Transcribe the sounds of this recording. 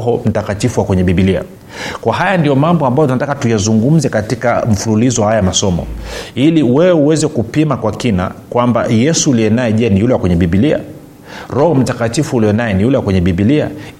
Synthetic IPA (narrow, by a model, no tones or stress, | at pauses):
ɦɔm̩takatifuwakwɛɲɛɓiɓilia̰ | kwaɦajandijɔmambɔambajɔtunatakatujazuŋɡum̩zɛkatikaɱ̩fululizɔhajaamasɔmɔ̰iliwɛɛuwɛzɛkupimakwakina̰kwamba̰jɛsuːliɛnaɛʄɛnijulɛwakwɛɲɛɓiɓilia̰ | ɾɔhɔm̩takatifuːlijɛnaɛnijulɛwakwɛɲɛɓiɓilia̰